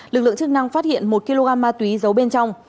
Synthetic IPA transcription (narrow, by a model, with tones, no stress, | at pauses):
lɨ˨˩k̚lɨ̰˧˨ə˨ŋt͡ɕɨ˦˥k̚na˧ŋfaː˦˥t̚hḭ˧˨ənmo˨˩t̚ki˧lo˧ɣaː˧mːaː˧t̪wi˨˦zə˨˦wɓe˧nt͡ɕɔ˧wŋ͡m